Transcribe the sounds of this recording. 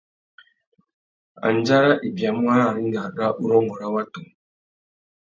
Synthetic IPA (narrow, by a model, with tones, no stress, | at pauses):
a̰˨n˨d͡ʒa˦ɾa˦ʔi˨bja˨˦m˦a˦a˨ɾi˦ŋ˦ɡa˨ɗa˦ʔu˦ɾɔ˦ŋɔ˨ɾa˦wa˦tu˨